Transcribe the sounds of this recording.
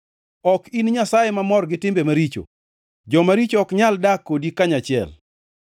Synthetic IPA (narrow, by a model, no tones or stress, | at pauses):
ɔkinɲasajemamɔrɡɪtɪmbemaɾit͡ʃo̰ | d͡ʒɔmaɾit͡ʃɔkɲaldakːodikaɲat͡ʃɪɛ̰l